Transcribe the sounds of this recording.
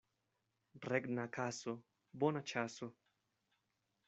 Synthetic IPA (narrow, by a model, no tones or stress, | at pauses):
rɛɡnakʰaso | bɔnat͡ʃaso